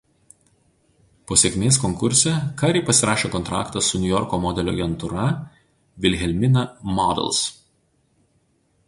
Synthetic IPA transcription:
poːsʲeɛkʲmʲeːs̬kɔŋkʊɾʲsʲɛkɑɾʲɛpɐsʲɪɾɑːʃʲeːkɔnt̪ɾɑ̰ːkt̪ɐsːʊnʲʊjɔɾkoːmɔd̪ʲɛlʲo̰ːɡʲɛnt̪ʊɾɐ | ʋʲɪlʲɣʲɛlʲmʲɪnɐmɔd̪ʲɛ̰lˠs

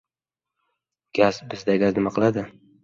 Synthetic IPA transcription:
ɡ̥ʲazbɪzd̪aɡʲaznɪmaqʰɨlˠad̪ɪ

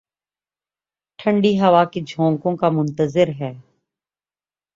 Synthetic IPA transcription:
ʈʰə̃ɳɖiːɦəʋaːked͡ʒʱõːŋkõkamʊ̃nt̪əzɪɾɦɛː

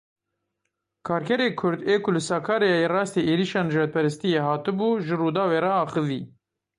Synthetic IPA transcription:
kʰɑːɾkʰɛɾeːkʰʊɾd̪eːkʊlɨsɑːkʰɑːɾejjerɑːst̪eːʔeːɾiʃɑːnɨʒɑːd̪̚pʰɛɾɨst̪ijeːɦɑːt̪ɨbuːʒɨruːd̪ɑːweːɾɛɑːxɨvḭː

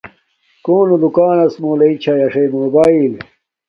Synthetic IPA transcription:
koːnud̪ukaːnɐsmoːleit͡ɕʰɐjɐʂemoːbaːil

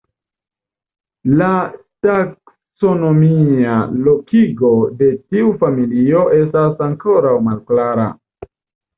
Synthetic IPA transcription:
la | tak | so̞no̞mialo̞kiɡo̞de̞tiufamilio̞ʔe̞stasaŋko̞ɾawmalklaɾa̰

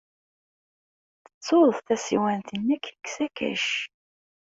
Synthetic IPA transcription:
θə̥t͡sːoðˤθθæsiwænθənːækːə̥kːsækæ̰ʃ

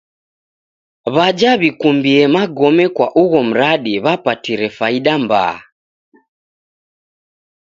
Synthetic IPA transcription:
βad͡ʒaβikumbiɛmaɡɔmɛkwaʔuɣɔm̩ɾaɗiβapatiɾɛfaiɗamba̰ː

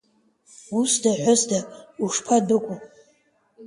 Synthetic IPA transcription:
usdaħʷʊzdauʂpʰadɨkʷʼu

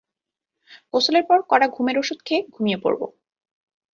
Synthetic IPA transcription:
kosoleɾpɔɾkɔɽaɡʱumeɾoʃud̪̚kʰeɡʱumijepo̰ɾbo̰

